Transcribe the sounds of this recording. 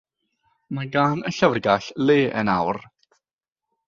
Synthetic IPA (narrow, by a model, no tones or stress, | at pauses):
maɡaːnəɬəvrɡaɬleːʔənawr